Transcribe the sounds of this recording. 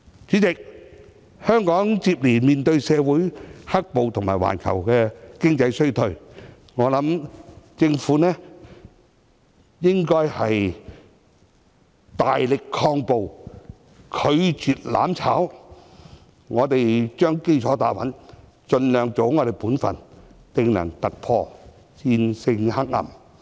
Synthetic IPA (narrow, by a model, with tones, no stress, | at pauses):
t͡sʰiː˨˥t͡sɪ˨k̚ | hœː˥ŋkɔː˨˥ŋt͡siː˧p̚liː˨˩miː˨˩nt̪ɵ˧ɥsɛː˨˧wuː˨˥jhɐ˥k̚po˨wt̪ʰʊ˨˩ŋmaː˨˩jwa̰ː˨˩nkʰɐ̰˨˩wkɛː˧kɪ˥ŋt͡sɐ˧jsɵ˥ɥt̪ʰɵ˧ɥ | ŋɔː˨˧lɐ˨˥mt͡sɪ˧ŋfuː˨˥nɛː˥ | jɪ˥ŋkɔː˥jhɐ˨j | t̪aː˨jlɪ˨kʰːɔː˧ŋpo˨w | kʰɵ˨˧ɥt͡syː˨t̚la̰ː˨˥mt͡sʰaː˨˥w | ŋɔː˨˧t̪e˨jt͡ʃœː˥ŋke˥jt͡ʃʰɔː˨˥t̪aː˨˥wɐ˨˥n | t͡ʃɵ˧nlœː˨˧ŋt͡so˨˧˥wŋɔː˨˧ɾe˨jpuː˨˥nfɐ̰˨nt̪ɪ˨˧ŋnɐ̰˨˩ŋt̪ɐ˨k̚pʰɔː˧ | t͡siː˧nsɪ˧ŋhɐ˥k̚ːɐ̰˨˩m